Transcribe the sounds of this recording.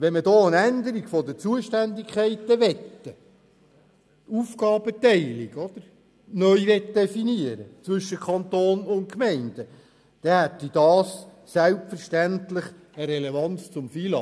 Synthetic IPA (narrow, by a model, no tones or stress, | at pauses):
ʋɛnmədɔːənænd̪əɾiɡfɔd̪ət͡suəʃtændikʰχɛɪt̪ːəʋɛt̪ːə | ufkɑːbət̪ɛɪliɡɔd̪̥əɾ | nœʏʋɛt̪d̪ɛfiniəɾə̰t͡sʋʏʃːəkʰɑnt̪oːnʊntkmɛɪnd̥̪ə | d̪̥ɛhæt̪ːid̥ɑːs | sælpfəɾʃtæntlɪχ | əɾɛlevɑnt͡st͡sʊmfilɑ